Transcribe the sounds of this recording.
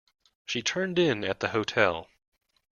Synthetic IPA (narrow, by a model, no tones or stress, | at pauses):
ʃitʰɜ̃˞ndɪ̃nɨt̪̚ðɨhoʊtʰɛlˠ